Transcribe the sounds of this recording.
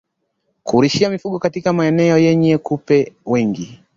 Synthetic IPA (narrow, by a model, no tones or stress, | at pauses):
kuɾiʃiamifuɠɔkatikamaɛnɛɔjɛɲɛkupɛwɛŋɡi